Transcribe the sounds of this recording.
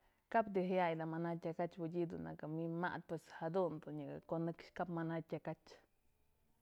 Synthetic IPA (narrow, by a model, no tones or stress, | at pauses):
kapd̪ɨɦjajd̪amanatʲakat͡ʃbidʲid̪unakamima̰t̪̚pweshad̪und̪unjɨɡa̰konɨkʃkapmanatʲakat͡ʃ